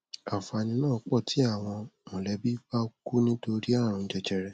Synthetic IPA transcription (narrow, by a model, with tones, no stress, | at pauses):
a˨fa˧nĩ˧nãː˦˨˧k͡pɔ˦˨tʰi˨˦a˦˨w̃ɔ̃˧mõ˨lɛ˨˦bi˦ba˦ku˦nĩ˦to˧ɾi˦a˦˨ɾ̃ũ˧˨˦d͡ʒɛ˧d͡ʒɛ˧ɾɛ˧